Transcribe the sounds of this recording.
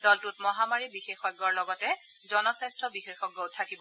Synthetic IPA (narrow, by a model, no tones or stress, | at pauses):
dɔltʊtmɔɦamaɹibixexɔɡɔɹlɔɡɔtɛ | zɔnɔsastɹɔbixexɔɡːowtʰːakibɔ